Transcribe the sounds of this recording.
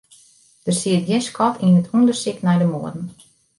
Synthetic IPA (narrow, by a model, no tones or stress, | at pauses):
d̥ərsiət̚jɪnskʰɔtinətʰundərsɪknɛjdəmoədn̩